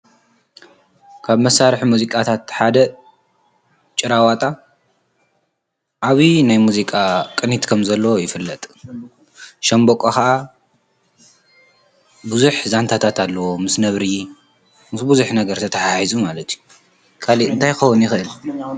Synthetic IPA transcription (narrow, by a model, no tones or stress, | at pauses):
kʰaβmɐsːaɾħmuzikʼat̪ʰat̪ħad̪ɐ | t͡ʃʼɨɾawat̪ʼa | ʔaβinajmuzikʼakʼɨnit̪kʰɐmzɐlːɐwojɪfɨlːɐt̪ʼ | ʃɐmbokʼoxaʔa | buzuħzant̪ʰat̪ʰat̪ʰalːɐwo̞mɨsnɐβɾi | mɨsbuzuħnɐɡɐɾt̪ʰɐt̪ʰɐħaħizumalɐt̪ʰju | kʰaliɨnt̪ʰajxɐwʊnjɪxɨʔɨl